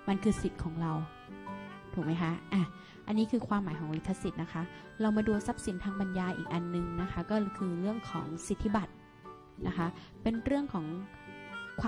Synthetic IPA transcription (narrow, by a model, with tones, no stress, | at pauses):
ma˧nkʰɯː˧si˨˩t̪̚kʰɔː˩˦ŋɾa˧w | t̪ʰuː˨˩k̚ma˦˥jkʰa˦˥ʔʔa˧˩ | ʔa˧nːiː˦˥kʰɯː˧kʰwaː˧mːaː˩˦jkʰɔː˩˦ŋɾi˦˥t̪ʰːa˧si˨˩t̪̚na˦˥kʰa˦˥ | ɾa˧wmaː˧du˧sa˦˥p̚si˨˩˦nt̪ʰaː˧ŋpa˧njaː˧ʔḭː˨˩k̚ʔa˧nːɯ˨˧ŋna˦˥kʰa˦˥kɔː˥˩˧kʰɯː˧ɾɯ˥˩əŋkʰɔ̰ː˩˦ŋsi˨˩t̪ʰːi˦˥˩ba˨˩t̪̚ | na˦˥kʰa˦˥ʔpe˧nɾɯ˥˩əŋkʰɔː˩˦ŋ | kʰwaː˧